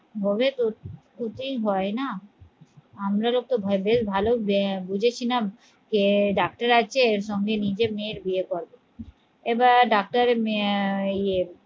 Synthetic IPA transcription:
bɔbet̪ok̪ot̪iɦɔena | amɾaloɡ̚t̪obʱbeʃbʱalobbud͡ʑʱet͡ɕʰinam | keɖak̚ʈaɾat͡ɕʰeeɾʃɔŋɡenid͡ʑemeɾbiekoɾbe | ebaɾɖak̚ʈaɾmeie

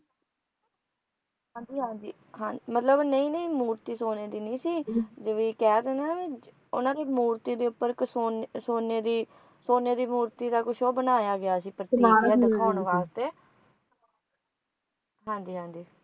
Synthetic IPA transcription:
ɦãːd͡ʒiːɦãːd͡ʒiː | ɦãːmət̪ləbnəĩːnə̃ĩːmuːɾt̪iːsoːneːd̪iːnĩːsiːd͡ʒeʋiːkɛːdenaːiː | ʊnãːd̪eːmuːɾt̪iːd̪eːʊpːəɾksoːnsoːneːd̪iː | soːneːd̪iːmuːɾt̪iːd̪aːkʊʃoːbənaːjaːɡɪaːsiːpɾət̪iːeːd̪ɪkʰaːʊnʋaːst̪eː | ɦãːɲd͡ʒiːɦãːɲd͡ʒiː

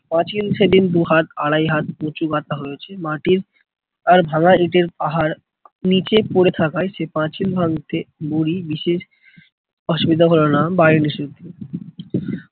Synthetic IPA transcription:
pãt͡ɕilʃed̪ind̪uɦat̪aɽajɦat̪̚põt͡ɕuɡat̪aɦoet͡ɕʰemaʈiɾ | aɾbʱaŋaʔiʈeɾpaɦaɾ | nit͡ɕepoɽet̪ʰakajʃepãt͡ɕilbʱaŋt̪ebuɽibiʃeʃ | ɔʃubid̪ʱaɦolonabainiʃud̪ʱi

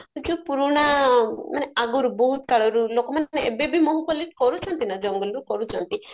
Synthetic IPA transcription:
ud͡ʒupuɾuɽ̃amaneaɡoɾubɔɦut̪̚kaɭɔɾulokɔmanneebebimɔɦupɔliʈ̚kɔɾut͡ʃʰɔnt̪inad͡ʒɔŋɡɔlɾukɔɾut͡ʃʰɔnt̪i

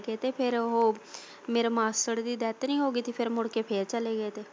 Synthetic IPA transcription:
ɡeːt̪eːpʰɪɾʊɦoː | meːɾeːmaːsəɽd̪iːd̪ɛːt̪nĩːɦoːɡiːt̪ʰiːpʰɪɾmʊɽkeːpʰeːɾt͡ʃəleːɡeːt̪ʰeː

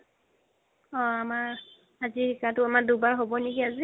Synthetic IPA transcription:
ɔ̃amaɹ | azihikatʊamaɹdubaɹɦobɔneɡiazi

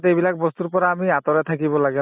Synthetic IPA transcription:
t̪ejbilak̚bɔst̪uɾpɔɾeamiat̪oɾet̪ʰakibolaɡe

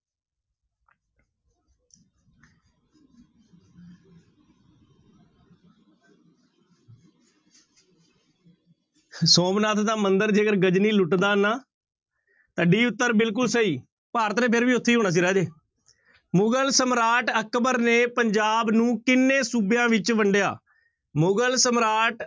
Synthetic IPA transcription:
soːmnaːt̪ʰt̪ãːmənd̪əɾd͡ʒeːkəɾɡəd͡ʒniːlʊʈd̪aːnaː | t̪əɖiːʊt̪ːəɾbɪlkʊlsəiː | paːɾət̪nẽːpʰɪɾʋiːʊt̪ʰːeiːoːɳnaːs̬iːɾaːd͡ʒeː | mʊɡəlsəmɾaːʈəkbəɾneːpəɲd͡ʒaːbnũːkɪnːẽːsuːbjãːʋɪt͡ʃʋəɳɖja̰ː | mʊɡəlsəmɾaːʈ

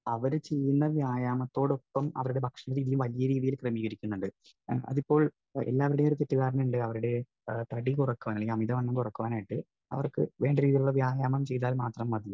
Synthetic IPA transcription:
ɐʋɐɾt͡ɕe̞jːunːɐʋjaːjaːmɐt̪ːo̞ːɽo̞pːɐmɐ̰ʋɐɾuɽebʱɐkʂɐnɐɾiːðijumʋɐlijɐɾiːðijilkrɐmiːɣɐɾikʲːunːuɳɖɨ | ɐ̰ðipːo̞ːɭ | ḛlːaːʋɐɾuɽe̞jo̞ɾut̪etːɨɣaːɾɐɳɐmuɳɖɨɐʋɐɾuɽe̞ | t̪ɐɽikurɐkːuʋaːnɐlɐmiðɐʋɐnːɐmkurɐkːuʋaːnaːjiʈːɨ | ɐ̰ʋɐrkɨ̰ʋe̞ːɳɖeɾiːðijuɭːɐʋjaːjaːmɐmt͡ɕe̞jt̪̬aːlmaːt̪rɐmːɐd̪iju

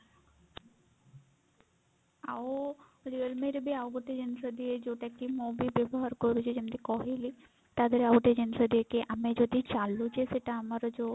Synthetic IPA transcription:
aoɾiəlmeɾebiawɡoʈed͡ʒensad̪ied͡ʑoʈakimobibɛbɔɦaɾkoɾut͡ʃʰed͡ʒemt̪ikɔɦili | t̪ad̪eɾeawɡoʈed͡ʑensad̪iekeʔamed͡ʒod̪it͡ɕalud͡ʒeseʈaamaɾd͡ʒo

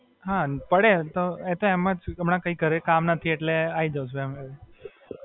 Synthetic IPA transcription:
ɦãpəɽet̪oet̪oeməd͡ʒəmɳakəiɡʱəɾekamnət̪ʰieʈleaid͡ʒəwt͡ʃʰɛm

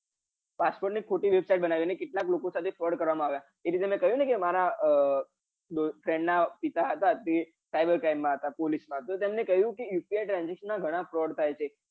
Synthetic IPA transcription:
paspoɾʈnikʰoʈiʋebsaiʈ̚bənaʋinekɪʈlaklokosat̪ʰefɾɔɖkəɾʋamãaʋja | eɾit̪emɛ̃kəɦjũnekemaɾa | dofɾɛ̃ɳɖnapit̪aɦət̪at̪e | sajbəɾkajmːãɦət̪apolismãɦət̪ut̪emnekəɦjũkejupiajʈɾãnzɛkʃənːãɡʱəɽ̃afɾɔɽt̪ʰajt͡ʃʰe

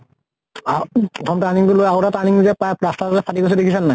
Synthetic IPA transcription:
atʰɔmtaniŋtulojaɦoɾataniŋnizɛpajpɹastazɛfʰatikos̬idekʰis̬anːaj

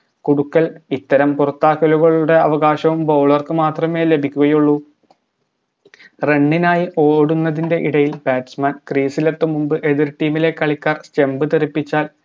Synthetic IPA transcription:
kuɽukːɐlit̪ːɐɾɐmpurɐt̪ːaːkːɐluɣɐɭuɽe̞ɐʋɐɣaːɕɐʋumbo̞ːɭɐrkɨmaːt̪rɐme̞ːle̞bʱikʲːuɣɐjuɭːu | re̞ɳːinaːjiʔo̞ːɽunːɐðinde̞ʔiɽɐjilbaːʈsmaːnkriːsilet̪ːɨmumbɨʔe̞ðiɾʈiːmile̞kːɐɭikʲːaːrst͡ɕe̞mbɨt̪ɐripːit͡ɕːaːl

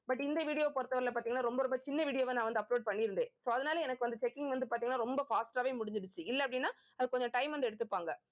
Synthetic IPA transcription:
bɐʈːɪnd̪ɐʋiːɽɪjoːpɔɾɯt̪ːɐʋɐɾlɐpaːɾt̪iŋɡɐnːaːɾɔmbɐɾɔmbɐt͡ʃɪnːɐʋiːɽɪjoːʋɛnãːʋɐnd̪ɯɐpːloːɖ̚pɐɳːɪɾɯnd̪ḛ̃ːsoːɐðɐnaːlɐɛnɐkːɯʋɐnd̪ɯt͡ʃɛkːɪŋɡʋɐnd̪ɯpaːɾt̪iŋɐnaːɾɔmbɐfaːsʈaːʋeːmʊɽɪɲd͡ʒɯɽɯt͡ʃːɯɪlːɐɐpːɐɽɪnːaː | ɐðɯkːɔɲd͡ʒɔ̃ʈɐɪmʋɐnd̪ɯɛɽɯt̪ːɯpːaːŋɡɐ

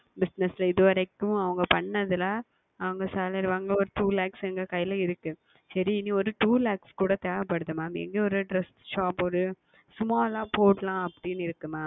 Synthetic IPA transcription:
bɪsnɛslɐɪðɯʋɐɾɐɪkːɯ̃ɐʋɐŋɡɐpɐɳːɐðɯlaː | ɐʋɐŋɡɐsaːlɐɾʋaːŋɡɐɐɔɾɯʈuːlaːksɛŋɡɐkɐjlɐɪɾɯkːɯ | sɐɾinĩɔɾɯʈuːlaːkskuːɽɐt̪eːʋɛpɐɽɯðɯmaːmɛ̰ŋɡeːɔɾɯɖɾɛskʃaːpɔɾɯ | sʊmaːlãːpoːʈlãːɐpːɐɽɪjnːɪɾɯkːɯmãːm

